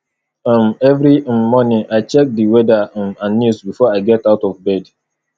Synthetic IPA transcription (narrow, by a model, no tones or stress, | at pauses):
mɛvɾim̩ːɔnɪ̃ŋʔaɪt͡ʃɛk̚diwɛdamãnːusbifɔaɪɡɛtaʊtɔvbɛd